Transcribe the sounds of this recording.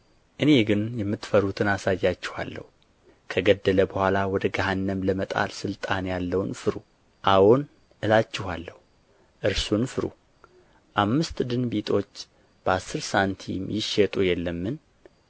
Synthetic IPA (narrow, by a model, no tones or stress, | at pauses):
ʔɨne̞ɡɨnjɛmːɨt̪ːfəɾut̪ʰɨnasajːat͡ʃːɪha̰lːə̰hu | kʰəɡəd̪ːələbəhʷalawɔd̪əɡahanːəmləmət̪ʼa̰lsɨlt̪ʼanjalːəwnfɨɾu | ʔawon | ʔɨlat͡ʃːɪhalːəhu | ʔɨɾsunfɨɾṵ | ʔamːɨst̪d̪ɨnbit̪ʰʼo̞t͡ʃː | b̥əasːɨɾsant̪ʰḭmjɪʃɛt̪ʼujɛlːəmːɨn